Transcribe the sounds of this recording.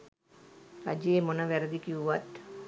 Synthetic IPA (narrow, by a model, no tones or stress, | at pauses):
ra̰d͡ʒijemonəʋæɾəd̪ikiuʋat̪